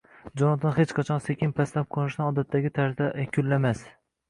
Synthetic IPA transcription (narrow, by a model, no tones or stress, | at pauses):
d͡ʒɒnɒt̪ɒnhet͡ʃqʰɑt͡ʃʰɒnsekʲʰɪnpʰaslap̚qʰonɪʃd̪anɒd̪at̪ʰːaɡʲɪt̪ʰaɾzd̪akʲʰʊlːamas